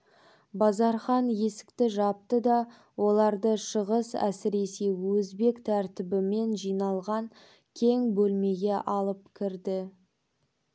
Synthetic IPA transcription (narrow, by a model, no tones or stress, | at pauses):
bɑzɑɾχɑnje̞sɪ̥kt̪ɪʒɑp̚t̪əd̪ɑ | wo̞lˠɑɾd̪əʃəʁəsæ̰sɪɾe̞se̞wɵzbe̞kt̪ʰæɾt̪ɪbɪme̞nʒijnɑlˠʁɑŋ | kʲʰe̞ŋbɵlme̞ɡʲe̞ʔɑlˠəp̚kʲʰɪɾd̪ɪ